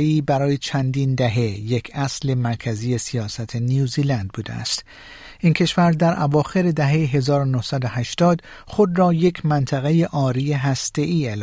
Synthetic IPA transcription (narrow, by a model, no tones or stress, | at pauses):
eiːbæɾɒːje̞t͡ʃʰænd̪iːnd̪æɦe̞je̞kʰæsle̞mæɾkʰæzije̞sijɒːsæt̪ʰe̞nijuːziːlænd̪̚buːd̪ḛæ̰st̪ | ʔiːnkʰe̞ʃvæɾd̪æɾʔævɒːxe̞ɾe̞d̪æɦe̞jeɦe̞zɒːɾonohsæd̪ohæʃt̪ɒːd̪ | χo̞d̪rɒːje̞kʲʰmænt̪ʰæɣe̞jeʔɒːɾijeɦæst̪e̞ʔiːel